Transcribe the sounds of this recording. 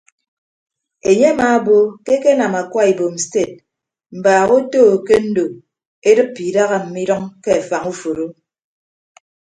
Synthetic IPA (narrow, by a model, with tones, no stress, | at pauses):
e˨ɲe˦a˦maː˨˦bo˦ke˦ke˦na˨ma˨kwa˦i˨bo˨m̩˨ste˦˨t̚ | m̩˨baː˨ɣo˦toː˦˨ke˦n̩˦do˨ | e˦dɨ˦pːi˨da˦ɣa˦m̩˨mi˦dɔ˦ŋke˦a˨fa˨ŋu˦fo˨ɾo˦